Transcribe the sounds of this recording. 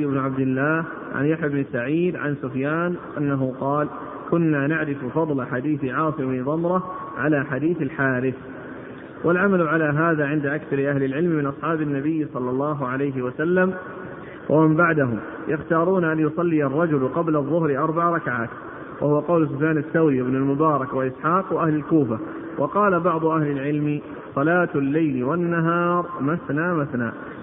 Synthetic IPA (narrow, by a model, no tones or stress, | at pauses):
ɪbnʊʕab̚d̪ɪlːaːh | ʕa̰njaħjabnɪsaʕiːd̪ʕa̰nsʊfjaːnʔanːaɦʊqɑːl | kʊnːaːnaʕɾɪffɑðˤlaħad̪iːθʕɑːsˤɪbniðˤɑmɾˤɑ | ʕalaːħad̪iːθalħaːɾɪθ | walʕamalʕalaːɦaːðaːʕɪnd̪aʔakθɑɾɪʔahlɪlʕɪlmmɪnʔɑsˤħɑːbɪnːabɪjːsˤɑlːɑlˤːɑːɦʊʕalajɦɪwasalːam | wʔamɪmbaʕd̪aɦʊm | jaxt̪ɑːɾˤuːnʔanjʊsˤɑlːɪjɑrˤːɑd͡ʒʊlqɑblaðˤːʊhɾɪʔɑɾˤbaʕɾˤɑkaʕaːt̪ | wahʊwaqɑwls̬ʊfjaːnaθːawɾiwɪbnalmʊbɑːɾˤɑkwalʔɪsħɑːqwaʔahlalkuːfa | wʔɑqɑːlabɑʕd̪ˤʊʔahlɪlʕɪlmɪ | sˤɑlaːt̪lːajlɪwanːaɦɑːɾˤmaθnaːmaθna̰ː